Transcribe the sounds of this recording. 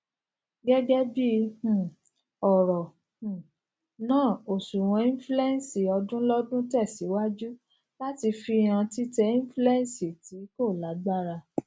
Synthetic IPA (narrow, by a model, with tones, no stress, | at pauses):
ɡɛ˦ɡɛ˦bĩ˦˨ | ɔ˨ɾɔ̃˨ | nãː˦˨o˨su˨w̃ɔ̃˨˧ĩ˦flu˦ɛ˦n˨si˨ɔ˧dũ˦lɔ˦dũ˦tɛ˦˨si˨˦wa˦d͡ʒu˦ | la˦ti˧fi˧j̃ã˧ti˦tɛ˧ĩ˦flu˦ɛ˦n˦si˨ti˨˦ko˦˨la˨˦ɡ͡ba˦˨ɾa˧